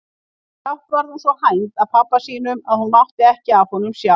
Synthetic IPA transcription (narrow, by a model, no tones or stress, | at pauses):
θawht̪vaɾðansvɔhajnt̪aðpʰapːasiːnʏmaðhunmawht̪ɪɛhcɪavhɔnʏmsja